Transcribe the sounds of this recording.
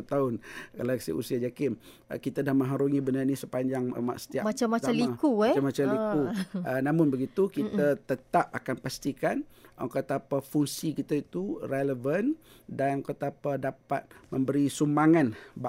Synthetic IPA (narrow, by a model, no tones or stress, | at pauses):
t̪aʊnɡəlak̚sḭʔṵsiad͡ʒakɪm̰ | kit̪adahmə̃ŋɦaɾuŋibənanisəpaɲd͡ʒaŋ̰ma̰ʔsə̥t̪iapmat͡ʃaat̪alikuamːat͡ʃalikuənamʊnbəɡit̪ukit̪ət̪ət̪ap̚akanpast̪ikanaŋkat̪apafuŋsikit̪ait̪ureləvəndanɔŋkat̪apadapat̪̚mə̃mbəɾisumaŋanb